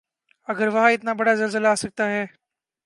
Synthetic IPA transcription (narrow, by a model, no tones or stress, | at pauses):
ɐɡəɾʋɐɦãɪt̪nabɐɽazɐlzəlaaːsɐk̚t̪aɦɛː